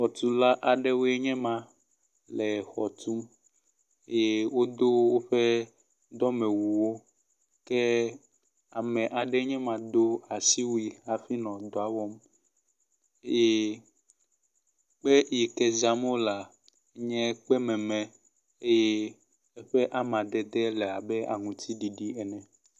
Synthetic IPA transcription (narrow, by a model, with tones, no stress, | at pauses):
xɔ˨t̪u˦la˦ʔa˨ɖe˦wo˦ɛ˦ɲɛ̃˦mã˦ | lɛ˨xɔ˨t̪u˦m˦ | e˦˨wo˦d̪o˦wo˦ɸɛ˦ | d̪ɔ˦mɛ̃˨wu˨wo˦ | kɛ˦ | a˨mɛ̃˨ʔa˨ɖɛ˦ɲɛ̃˦mã˨d̪o˦a˨si˦wi˦a˨fi˦nɔ̃˨d̪ɔ˨a˨wɔ˦m | e˦je˦ | k͡pɛ˦ji˨kɛ˦za˦m˦o˦la˨˦ | ɲɛ̃˦k͡pɛ˦mɛ̃˨mɛ̃˨ | e˦je˦ | e˦ɸɛ˦ʔa˦mã˨d̪ɛ˨d̪ɛ˦lɛ˨a˨bɛ˦a˨ŋũ˨t̪ʰi˦ɖi˨ɖi˦ɛ˨nɛ̃˨